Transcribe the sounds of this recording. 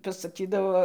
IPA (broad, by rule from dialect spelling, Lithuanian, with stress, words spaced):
pɐsɐˈkʲiːdɐʋoː